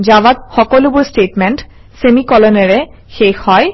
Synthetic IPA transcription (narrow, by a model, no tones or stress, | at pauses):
d͡ʒawat̪̚xɔkɔlubuɹsʈeʈmɛnʈ | semikɔlɔnɛɹɛ | xexhɔj